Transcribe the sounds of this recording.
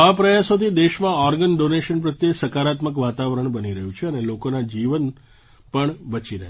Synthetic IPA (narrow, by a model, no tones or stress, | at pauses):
apɾəjasot̪ʰid̪eʃmãɔɾɡənɖoneʃənpɾət̪jesəkaɾat̪məkʋat̪aʋəɾəɳbəniɾəɦũt͡ʃʰeənelokonad͡ʒiʋən | pəɳbət͡ʃiɾəɦ